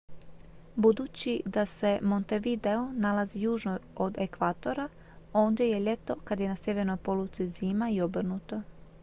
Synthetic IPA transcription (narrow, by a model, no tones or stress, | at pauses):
bud̪uːt͡ɕid̪ase̞mont̪eʋid̪eo̞nalazijuːʒnood̪ekʋat̪o̞ɾa | oːnd̪jeje̞ʎe̞t̪o̞kad̪je̞nasje̞ʋe̞ɾno̞jpolut̪siziːmaiobr̩nut̪o̞